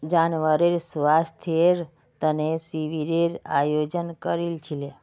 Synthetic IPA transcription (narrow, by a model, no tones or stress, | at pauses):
d͡ʒanʋəɾeɾsʋast̪ʰeɾ | t̪ənesiʋiɾeɾa̰jod͡ʒənkəɾilt͡ʃʰile